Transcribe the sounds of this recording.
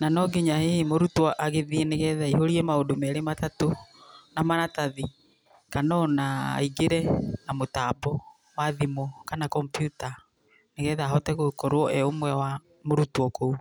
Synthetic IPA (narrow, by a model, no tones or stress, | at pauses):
nanɔɡeɲahemoɾutwɔʔaɣeðieneɣɛðaiɦoɾiɛmaodomɛɾematatonamanataði | kanɔna̰ːiɡeɾɛnamotabɔ | waðimokanakɔmpjuta | neɣɛðaːɦɔtɛɣokoɾwɔʔɛomwɛwa | moɾutwɔkou